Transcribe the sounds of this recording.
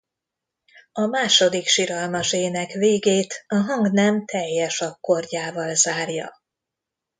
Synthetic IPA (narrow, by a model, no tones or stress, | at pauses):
ɒmaːʃo̞d̪ikʃiɾɒlmɒʒeːnɛkveːɡeːt̪ɒɦɒŋɡnɛmt̪ʰɛjːɛʃɒkːo̞rɟaːvɒlzaːrjɒ̰